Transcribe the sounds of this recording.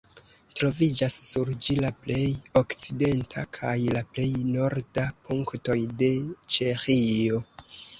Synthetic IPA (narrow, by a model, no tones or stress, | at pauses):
tɾo̞vid͡ʒasːuɾd͡ʒilaple̞jo̞kt͡side̞ntʰakʰajlaple̞jno̞ɾdapuŋkto̞jde̞t͡ʃe̞xio̞